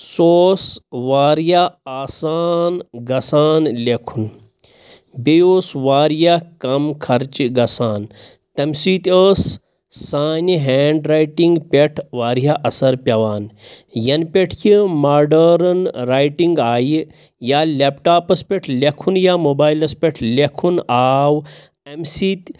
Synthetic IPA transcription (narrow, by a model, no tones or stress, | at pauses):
soːsʋaːɾjaaːsaːnɡɐsaːnlʲekʰun | bejoːsʋaːɾjakɐmkʰɐɾt͡ʃɡɐsaːn | t̪ɐmsiːt̪ʲəːsː | aːniɦeːɳɖɾaːjʈiŋɡpʲeʈʰʋaːɾjaʔɐsɐɾpʲɐʋaːnjɐnpʲeʈʰjimaːɾɖɐɾɐnɾaːjʈiŋɡaːji | jaːlʲepʈaːpɐspʲeʈʰlʲekʰunjaːmoːbaːjilɐspʲeʈʰlekʰunaːw | ɐmsiːt̪